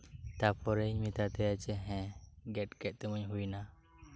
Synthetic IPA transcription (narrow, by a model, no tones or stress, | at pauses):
t̪apɔɾemit̪at̪ɛjat͡ʃɛɦɛ̃ɡɛʈkɛt̪ɛmɔɲɦujna